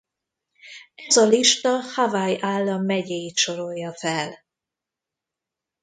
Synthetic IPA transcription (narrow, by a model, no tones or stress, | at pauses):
ɛzɒliʃt̪ɒhavajaːlːɒmːɛɟɛjit̪ʃo̞ɾo̞jːɒfɛl